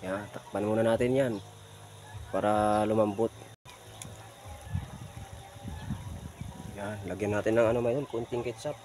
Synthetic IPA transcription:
jat̪ak̚panmunanat̪ɛnjan | paɾalumambut̪̚ | janlaɡɛnat̪ɛnaŋanomait̪unkunt̪iŋkɛt͡ʃap̚

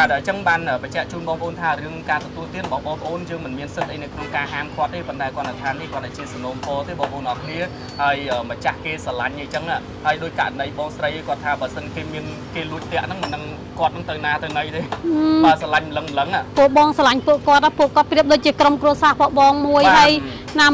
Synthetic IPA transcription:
ɓaːt̪̚əːt͡ɕəŋɓaːnʔəːpət͡ɕɛ̆əʔt͡ɕuːnɓɑːŋpə̰̆ʔoːnt̪ʰaːrɨəŋkaːt̪ɔt̪uəlt̪iət̪rɓɑːhɓɑːŋpʰə̆ʔoːnjəːŋmɨnmiənsət̪̚ʔəjnəwkʰnoŋkaːhaːmkʰŏət̪ʰːeːpont̪aɛkoɔət̚ːat̪ʰaːnːihkŏət̪̚ɗat͡ɕiəsanoːmpɔːt̪eːɓɑːŋpʰəʔoːnʔɑkʰniə | haəjʔəːmət͡ɕahkeːsalaɲʔəjt͡ɕəŋaː | haəjɗoːc̚ka̰ʔɾanəjɓɑːŋsrəjʔəkŏət̪ʰːaːɓəːəsənkeːmiən | keːluəc̚t̪ɛ̆əʔnɨŋmənːɨŋ | kŏət̪̚nɨŋt̪ɨwnaːt̪ɨwnəjt̪eːʔːɓaːəsalaɲmələŋmləŋapuəʔɓɑːŋsalaɲpuəʔkŏət̪̚ʔapuəʔkŏət̪̚priəp̚ɗoːc̚t͡ɕiəkromkruəsaːpoəʔɓɑːŋmuəjhaəj | naː

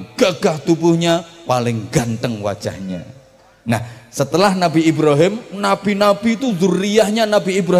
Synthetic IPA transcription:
ɡ̥aɡ̥aht̪ubʊhɲapalɪŋɡant̪əŋwa̰d̥ʒ̥a̰hɲa̰ | nahsət̪əlahnabiibɾaɦɪmnab̥inab̥it̪uzʊrːijahɲanabiibɾa

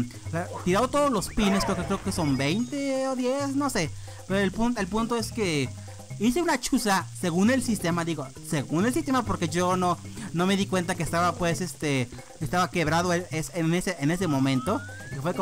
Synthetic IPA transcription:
lat̪iɾaðot̪oðolo̞spinespɾeokekɾeoke̞so̞mbejnt̪eoðjesno̞se̞ | peɾoelpunt̪oelpunt̪oeske̞ | is̬eunat͡ʃusase̞ɣune̞lsist̪emaðiɣo | seɣune̞ls̬ist̪emapo̞ɾkeʝononome̞ðikwe̞nt̪akeːst̪aβapwe̞sest̪e | est̪aβake̞βɾaðoeesneseʔene̞s̬emõ̞mẽnt̪o̞kefweko

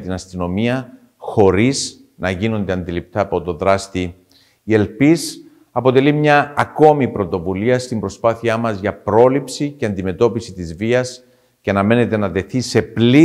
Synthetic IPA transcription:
t̪inɐst̪ino̞miɐ | xo̞ɾiz | nɐʝino̞nd̪e̞ɐnd̪ilip̚t̪ɐːpo̞t̪o̞ðɾɐst̪i | ie̞lpis | ɐpo̞t̪e̞limɲɐːko̞mipɾo̞t̪o̞vuliɐst̪imbɾo̞spɐθiɐmɐzʝɐpɾo̞lipsice̞ɐnd̪ime̞t̪o̞pisit̪izviɐs | ceɐnɐme̞ne̞t̪e̞nɐt̪e̞θise̞pli

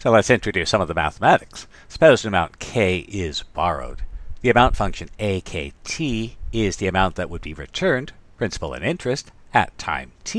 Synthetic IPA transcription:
soʊlɛtsɪ̃nt͡ʃɹ̥ɨdʉsʌ̃mʌvðəmæ̰θəmæɾɨks | sə̥poʊzɨɨmãʊ̃nkʰeɪʔɪzbɑɹo̰ʊd̪̚ðiɨmãʊ̃ntfʌ̃ŋkʃɨ̃neɪkʰeɪtʰiɪzðiɨmãʊ̃nðɨt̚wəd̚biɹɨ̰tʰɜ̃˞npʰɹ̥ɪ̃nsə̥pl̩ˠɨ̰̃nɪ̃nt͡ʃɹ̥ɨst | ɨ̰tʰã̰ɪ̃mtʰi

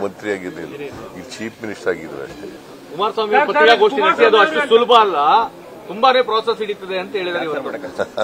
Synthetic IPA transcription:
mɐnt̪ɾijaːɡid̪ḭlːɾiilt͡ʃiːpʰminiʂʈɾaːɡid̪ɾṵɐ̰ʂʈe | kumaːɾsʋaːmijɐɐt̪ɾijaːɡoːʂʈinɐsiɐd̪uɐʂʈusulbʱɐːlːɐ | t̪umbane̞ːpɾoːses̬iɽit̪ːɐd̪eɐnt̪ɐɦeːɭid̪aːɾeiʋɐɾkɐ

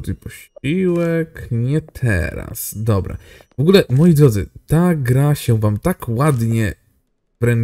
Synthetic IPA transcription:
t̪ɨpɔɕiwɛkɲɛt̪ʰɛ̰ɾa̰sd̪ɔbɾa̰vɔɡulɛmɔjid̪ɾɔd̪zɨ̰t̪aɡɾaɕɛ̃vamt̪akwad̪ɲɛ | vɾɛn

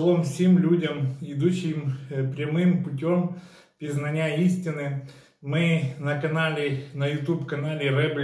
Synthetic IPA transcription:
lˠomfsʲimlʲudʲɐmɪd̪uɕːɪmpɾʲɐmɨmpʊtʲom | pʲɾʲɪznɐnʲaisʲtʲɪnɨ | mɪnɐkɐnalʲɪnɐjʊt̪upkɐnalʲɪrɛblʲ

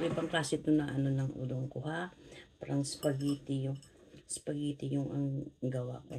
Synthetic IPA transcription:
ɾojpɐŋklaːsɪt̪onɐʔɐnonɐŋʔṵːd̪oŋkʊhapaːɾɐŋspɐɡiːt̪ɪjʊŋ | spɐɡiːt̪ɪjʊŋɐŋɡɐwa̰ko

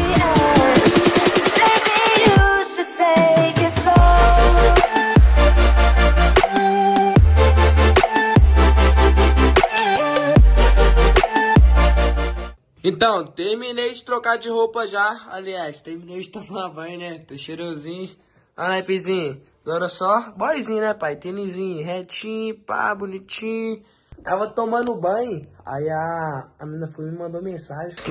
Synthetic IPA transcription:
mebijuʃɨdsekɪso | ẽt̪ɐ̃w̃t̪eɾminejd͡ʒɪt̪ɾokad͡ʒɪɦowpɐʒaa̰liajst̪ehmĩnejd͡ʒɪt̪omɐãbɐ̃j̃nɛt̪oʃeɾõzĩɲʊ | ɐ̃d̪ajpizĩɲɐ | ɡɔɾɐsɔbɔjzĩɲɐnɛpajt̪enizĩɲɦɛt͡ʃĩɲpa̰bunit͡ʃĩɲʊ | t̪avɐt̪õmɐ̃nʊbɐ̃j̃a̰iaːmĩnɐfumɪmɐ̃nd̪omẽsaʒẽ

